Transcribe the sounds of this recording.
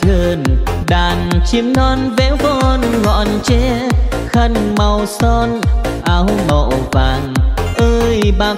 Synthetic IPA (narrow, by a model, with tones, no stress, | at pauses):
t̪ʰɨ˧˩nɗaː˨˩nt͡ɕi˧˦əmnɔ˧nvɛ˧˥wkɔ˧nɣɔ̰˧˨nt͡ɕɛ˧˦xə˧nma˨˩wsɔ˧nʔaː˧wmə̰˧˨wvaː˨˩nʔəː˧jɓaː˧˨˩